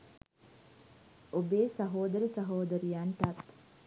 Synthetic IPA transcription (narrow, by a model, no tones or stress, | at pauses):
obeːsɐɦoːd̪ɐɾəsɐɦoːd̪ɐɾijanʈɐt̪